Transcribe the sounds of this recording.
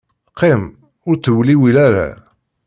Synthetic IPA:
qʰːem | ʊɾt͡sːəwliwilæɾa̰

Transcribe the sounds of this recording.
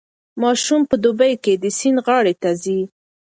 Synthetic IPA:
mɑʃumpəd̪ubajked̪əsinɣɑɽet̪azi

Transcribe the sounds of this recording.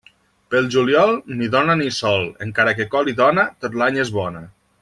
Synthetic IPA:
pəlˠʒuljɔlˠniðɔnənisɔlˠə̰ŋkaɾəkekɔliðɔnət̪ot̪laɲezβɔnə

